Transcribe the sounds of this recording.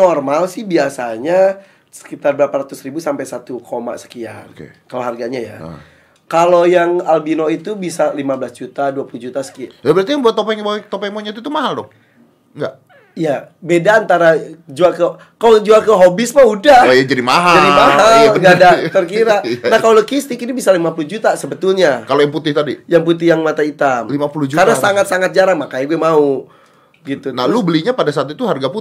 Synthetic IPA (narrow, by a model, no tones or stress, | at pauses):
ɔrmalsɪhbiasaɲa | sə̥kit̪arbəɾapaɾat̪usɾibusampajsat̪ukʰoma̰sə̥kia̰nkḛkaloɦarɡaɲaja̰ | kalojaŋalbinoit̪ubisalimablasd͡ʒut̪aduapulud͡ʒut̪asə̥kijabəɾart̪iaŋbuat̪ːopɛbat̪opɛmoɲat̪̬ut̪umaɦaldɔ | ŋɡaʔ | ijabedaːnt̪aɾad͡ʒuakə | kalod͡ʒuakəɦobismaudajad͡ʒadimaɦad͡ʒadimaɦaɡadat̪ərkiɾanahkaoloɡist̪ɪkinibisalimapuluhd͡ʒut̪asəbət̪ʊlɲakalojaŋput̪ɪht̪adijaŋput̪ɪhjaŋmat̪ait̪amlimapuluhd͡ʒukarnasaŋat̪saŋat̪̚d͡ʒaɾaŋmakajaɡuɛmau | ɡit̪unalubəliɲapadasaːt̪it̪uɦarɡaput̪